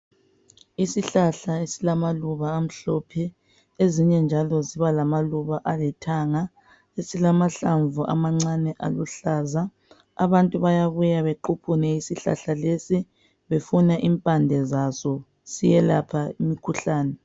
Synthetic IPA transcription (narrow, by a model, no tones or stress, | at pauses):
isiɬaɬaesilamaluβaːm̩ɬɔpʰɛ | eziɲɛnd͡ʒʱalɔziβalamaluβaʔalɛtʰaŋa | esilamaɬaɱvuʔa̰maŋ͡ǀanɛʔaluɬaːza | a̰βantʼuβajaβujaβeǃupʰunɛisiɬa̰ɬalesi | βefunaʔimpʼandʱɛzasɔ | sijɛlapʰaimikʰuɬaːnɛ